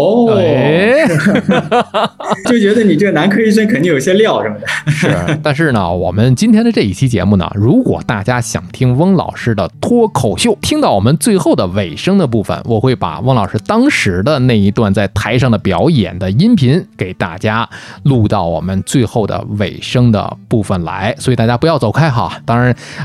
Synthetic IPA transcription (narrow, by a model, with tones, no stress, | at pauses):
t͡ɕjo˥˩ʊt͡ɕɥɛ˧˥d̪ə˧ni˨˩ʈ͡ʂɤ˥˩ɡə˩na˧˥nkʰɤ˥i˥swə˥nkʰn˧˥ŋjo˨˩i˩ɕjɛ˥ljɑ˥˩ʊʂə˥mə˩d̪ə˩ʂʂ̩˥˩t̪a˥˧nʂɻ̩˥˩nə̰˩wɔ̰˨˩mə˦nt͡ɕi˥nt̪ʰjɛ˥nd̪ə˨˧ʈ͡ʂɤ˥˧i˥˩t͡ɕʰi˥t͡ɕjɛ̰˧˥mu˥˩nə̰˩ɻu˧˥kwɔ̰˨˩t̪a˥˩t͡ɕja˥ɕjɑ̰˨˩ŋt̪ʰi˥ŋwɤ˥ŋlɑ̰˨˩ʊʂɻ̩˥˩d̪ə˩t̪ʰwɔ˥kʰo˨˩ʊɕjo˥˩ʊt̪ʰi˥ŋt̪ɑ˥˩ʊwɔ˨˩mə˦nt͡swe˥˧ɪxo˥˩ʊd̪ə˩we˨˩ɪʂɤ˥ŋd̪ə˨p̬u˥˩fə̰˩nwʔɔ˨˩xwe˥˩ɪpa̰˨˩wɤ˥ŋlɑ˨˩ʊʂɻ̩˥˧t̪ɑ˥ŋʂɻ̩˧˥d̪ə˧na˥˩i˧˥t̪wa˥˧nt͡sa˥˩ɪt̪ʰa˧˥ɪʂɑ˥˩ŋd̪ə˩pjɑ˧˥ʊjɛ̰˨˩nd̪ə˦i˥npʰi˧˥nke˨˩ɪt̪a̰˥˩t͡ɕja˥lu˥˧t̪ɑ˥˩ʊwɔ̰˨˩mə˦nt͡swe˥˧ɪxo˥˩ʊd̪ə̰˩we˨˩ɪʂɤ˥ŋd̪ə̰˨pu˥˩fə˨˩nla̰˧˥ɪswɔ˧˥i˨˩t̪a˥˩ja˥pu˧˥jɑ˥˩ʊt͡so˨˩ʊkʰa˥ɪxɑ̰˨˩t̪ɑ˥ŋɻa˧˥n